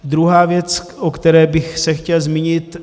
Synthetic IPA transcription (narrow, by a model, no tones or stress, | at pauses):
d̪ɾuɦaːvjɛt͡s | ʔokt̪ɛɾɛːbɪxsɛxcɛlzmiɲɪt̪